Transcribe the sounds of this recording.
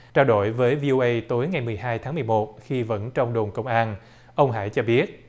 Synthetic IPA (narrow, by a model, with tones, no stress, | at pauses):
t͡ɕaː˧wɗo̰˧˩˨jvəː˨˦jvi˧ʔo˧ʔə˧jt̪o˨˦jŋa˨˩jmɨ˨˩əjɦaː˧jt̪ʰaː˨˦ŋmɨ˨˩jmo˨˩t̚xi˧və̰˧˥nt͡ɕɔ˧wŋ͡mɗo˨˩nkə˧wŋ͡mʔaː˧n | ʔə˧wŋ͡mɦa̰ː˧˥jt͡ɕɔ˧ɓi˦˥ət̚